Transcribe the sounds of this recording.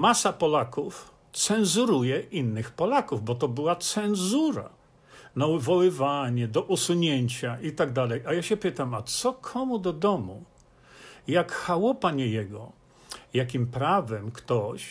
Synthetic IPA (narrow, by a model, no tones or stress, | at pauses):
masapɔlakuf | t̪sɛnzuɾujɛʔinːɘxpɔlakuvbɔt̪ɔbɘwat̪sɛnzuɾa̰ | nauvɔwɘvaɲɛd̪ɔʔusuɲeɲt͡ɕaʔit̪aɡ̚d̪alɛjʔajaɕɛpɘt̪amat̪sɔkʰɔmud̪ɔd̪ɔmu | jakxawɔpaɲɛjɛɡɔ | jakʲimpɾavɛmkt̪ɔɕ